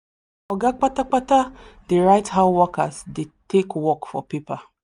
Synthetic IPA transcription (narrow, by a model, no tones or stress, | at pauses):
ɔɡak͡patak͡patadeɹaɪthaʊwɔkasdetʰekwɔkfɔ̰pipa